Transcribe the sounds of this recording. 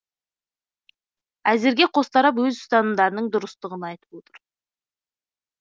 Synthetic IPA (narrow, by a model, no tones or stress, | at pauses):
æze̞ɾɡʲe̞qʰo̞st̪ɑɾɑp̬wɵzst̪ɑnəd̪ɑɾnəɴd̪ʊɾəst̪əʁənɑjt̪ə̥p̚wo̞t̪ʰəɾ